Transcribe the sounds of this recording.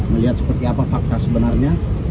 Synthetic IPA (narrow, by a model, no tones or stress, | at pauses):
məliɦat̪̚sə̥pərt̪iapafak̚t̪arsəbənarɲa